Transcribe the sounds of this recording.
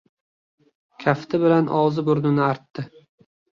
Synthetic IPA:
kʲʰaft̪ɪbɪlanʔɒwzɪbʊɾnɪnɪaɾt̪ːɪ

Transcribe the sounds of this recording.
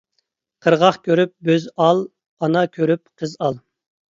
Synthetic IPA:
qʰəɾʁɑχkʲʰøɾyp̚bøzɑlˠ | ɑnɑkʲʰøɾyp̚qʰəzɑlˠ

